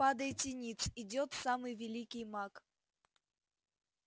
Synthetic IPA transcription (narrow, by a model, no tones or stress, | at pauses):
ad̪əjɪt̪tʲɪnʲit̪sɪdʲot̪samɨjvʲɪlʲikʲɪjmak